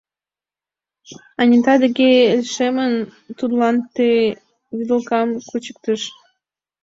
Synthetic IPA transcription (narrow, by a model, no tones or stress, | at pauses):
ɑnʲit̪ɑd̪əɣeelʲʃemən | t̪ud̪lɑnt̪e | βid̪əlkɑmkut͡ɕə̥k̚t̪əʃ